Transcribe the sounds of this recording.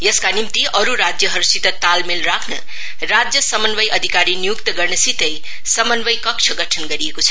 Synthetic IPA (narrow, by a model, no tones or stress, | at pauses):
jʌskanimt̪iʌɾuɾad͡zjəɦʌɾusit̪ʌt̪almelɾakʰnʌ | ɾad͡zjʌsʌmənbəjʔʌd̪ʱikaɾinijukt̪ʌɡʌɾnʌsit̪əj | sʌmənbəjkʌkt͡ʃʰəɡʌʈʰənɡʌɾiekot͡sʰʌ